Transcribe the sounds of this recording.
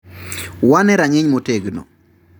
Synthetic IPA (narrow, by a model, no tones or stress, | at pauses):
wanɛɾaɲɪɲmoteɡnɔ̰